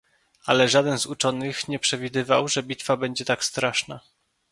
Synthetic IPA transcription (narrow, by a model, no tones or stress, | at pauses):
a̰lɛʐad̪ɛnzut͡ʂɔnɘxɲɛpʂɛvʲid̪ɘva̰wʐɛbʲit̪fabɛɲd͡ʑɛt̪akst̪ɾaʂna